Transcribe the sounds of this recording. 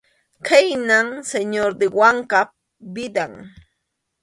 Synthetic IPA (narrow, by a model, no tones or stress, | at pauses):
kajnaŋseɲoɾd̪ɪwaŋkap | bɪd̪aŋ